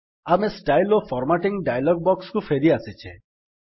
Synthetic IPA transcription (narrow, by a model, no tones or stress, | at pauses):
amesʈajlopʰɔɾmaʈiŋɖajalɔɡ̚bɔkskufeɾiasit͡ʃʰe